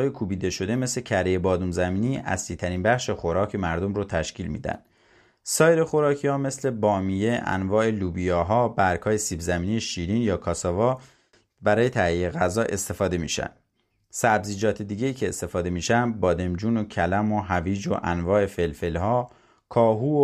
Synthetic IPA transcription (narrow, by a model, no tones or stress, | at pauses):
ɒːjekʰubiːd̪e̞ʃo̞d̪eme̞slecʰæɾeje̞bɒːd̪unzæmiːniːʔæ̰sliːt̪ʰæɾiːnbæχʃe̞χo̞ɾɒːcʰemæɾd̪o̞mɾot̪ʰæʃciːlmḭːd̪æ̰nd̪̥ | sɒːjeɾe̞χo̞ɾɒːcʰihɒːme̞sle̞bɒːmije̞ʔæ̰nvɒːe̞luːbijɒːɦɒːbæɾkhɒːjesiːbzæmiːnijeʃiːɾiːnjɒːkʰɒːsɒːvɒː | bæɾɒːje̞t̪ʰæieɣæzɒːʔe̞st̪e̞fɒːd̪e̞mḭːʃæ̰nd̪̥ | sæbziːd͡ʒɒːt̪ʰed̪iːɟe̞iːcʰe̞ːst̪e̞fɒːd̪e̞miːʃænd̪̚bɒːd̪e̞md͡ʒuːnocʰælæmo̞ɦæviːd͡ʒo̰ʔænvɒːe̞fe̞lfelhɒː | kʰɒːɦuːo